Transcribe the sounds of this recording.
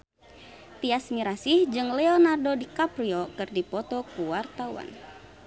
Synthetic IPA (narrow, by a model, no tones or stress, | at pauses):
t̪iasmiɾasihd͡ʒɨŋlɛɔnardodikapɾiokɨrdipɔt̪ɔkuwart̪awa̰n